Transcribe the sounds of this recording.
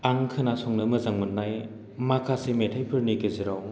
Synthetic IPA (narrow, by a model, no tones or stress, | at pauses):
aŋkʰɯnasɔŋnɯmɯzaŋmɯnːaj | makʰasimetʰajpʰɯɾnikeziɾaw